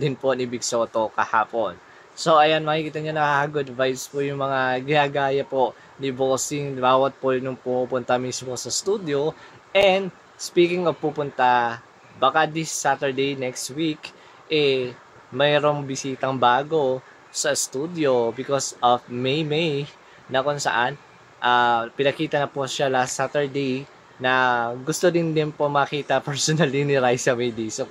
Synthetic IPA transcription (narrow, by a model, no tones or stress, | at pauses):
d̪ɪnpo̞nɪbɪɡso̞ːt̪o̞kɐha̰ːpo̞n | soʔɐjanmɐkikiːt̪ɐɲanɐhahaɡʊd̪vajspojʊŋmɐŋaɡɪnaːɡaːjɐpo̞ʔ | niboːsɪŋbaːwɐt̪̚ponʊŋpumuːpʊnt̪ɐmismo̞sɐst̪ud̪jo̞ | ʔɛnd̪ | spiːkɪŋovpupʊnt̪a | bɐkad̪ɪsːat̪ɛɹd̪ejnɛkst̪wik | ʔɛ | mɐjɾoŋbɪsiːt̪ɐŋbaːɡo̞ | sɐst̪ud̪jo̞bɪkosʔovmejmej | nɐkonsɐ̰ʔan | ʔapɪnɐkiːt̪ɐnɐpoʃalast̪ːat̪ɛɹd̪ej | nɐɡʊst̪od̪ɪnd̪ɪnpomɐkiːt̪ɐpɛɹsonɐlinɪɾajsɐmejd̪iso